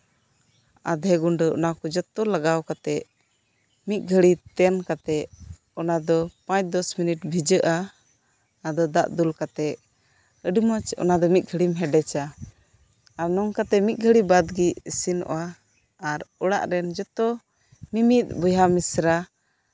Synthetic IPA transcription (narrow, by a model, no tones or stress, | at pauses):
a̰d̪ʱɛɡuɳɖəɔ̰nakɔd͡ʒɔt̪ɔlaɡawkat̪ɛʔ | mit̪̚ˀɡʱəɽit̪ɛnkat̪ɛ | ɔnad̪ɔpãt͡ʃ̚d̪ɔsminiʈbʱid͡ʒəʔa | ad̪ɔd̪aʔd̪ulkat̪ɛʔ | əɖimɔt͡ʃɔ̰nad̪ɔmit̪̚ɡʱəɽimɦɛɖɛt͡ʃa | ɾnɔŋkat̪ɛmit̪̚ɡʱəɽibad̪ɡiəsinɔ̰waː | ɾɔɽaʔɾɛnd͡ʒɔt̪ɔ | mimit̪̚bɔjamisɾa